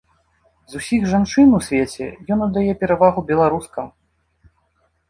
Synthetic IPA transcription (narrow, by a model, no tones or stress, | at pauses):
zusʲiɣʐant͡ʂɨnusʲvʲet͡sʲɛ̰jɔnɐd̪ːajɛpʲɛɾavaɣubʲɛlˠaɾuskɐm